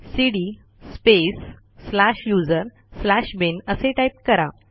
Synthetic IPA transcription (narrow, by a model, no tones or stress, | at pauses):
siɽi | spesː | laɕjud͡zəɾ | slaɕbenəseʈaip̚kəɾa